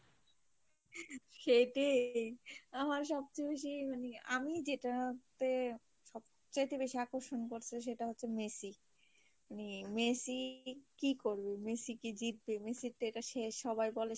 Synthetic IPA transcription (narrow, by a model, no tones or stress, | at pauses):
ʃejʈe | amaɾʃ̬ɔb̚t͡ɕejbeʃ̬imanea̰mid͡ʑeʈat̪e | ʃɔb | t͡ɕajt̪ebeʃiakoɾʃonkoɾt͡ɕʰiʃ̬eʈaɦotːɕʰemesi | manemesikikoɾbemesikid͡ʑit̪̚bemesiɾʈeeʈaʃeʃɔbajbɔle